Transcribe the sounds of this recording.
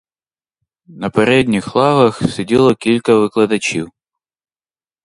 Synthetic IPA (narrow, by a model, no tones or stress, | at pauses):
nɐpɐɾʲed̪ʲnʲixlˠavɐxsʲɪdʲilˠɔkʲilʲkəvɨklˠɐd̪ɐt͡ɕiw